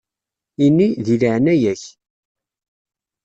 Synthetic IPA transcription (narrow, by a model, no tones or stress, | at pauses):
inːiðiliʕnæjæç